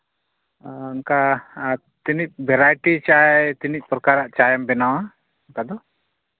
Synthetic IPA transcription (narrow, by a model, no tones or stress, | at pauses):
unka | t̪inic̚bʱɛɾajʈit͡ʃajt̪inic̚ˀpɾɔkaɾaʔt͡ʃajɛmbɛnawa | unkad̪ɔ